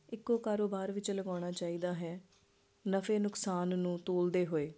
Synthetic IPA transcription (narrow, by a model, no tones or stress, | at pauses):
ɪkːoːkaːɾoːbaːɾʋɪt͡ʃləɡaːɽ̃aːt͡ʃaːiːd̪aːɦɛː | nəfeːnʊksaːnːũːt̪oːld̪eːɦoːeː